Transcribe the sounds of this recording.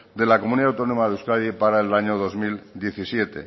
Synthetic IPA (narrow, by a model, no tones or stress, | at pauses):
d̪e̞lakomuniawt̪o̞nomaðeuskaðipaɾaelaɲoðo̞zmild̪je̞θisje̞t̪e̞̰